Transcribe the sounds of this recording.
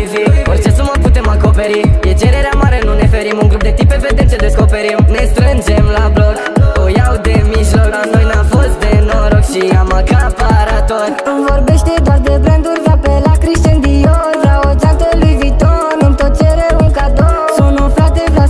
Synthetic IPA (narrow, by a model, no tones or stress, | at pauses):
viort͡ʃe̞suməput̪e̞mako̞pe̞ɾijet͡ʃeɾeɾeamaɾe̞nune̞fe̞ɾimuŋɡɾup̚d̪e̞t̪ipeved̪ent͡ʃed̪e̞sko̞pe̞ɾimne̞st̪ɾɨnd͡ʒe̞mlablokojawd̪e̞miʒloknojnamfost̪̚d̪enoɾokʃiamakapaɾat̪orkumvorbeʃt̪ed̪oard̪ebɾɛnd̪urvɾapelakɾiʃt̪end̪ijorvɾaod͡ʒant̪əlujvit̪oɾnint̪ot͡ʃeɾeɾuŋkad̪o | sunufɾad̪evɾa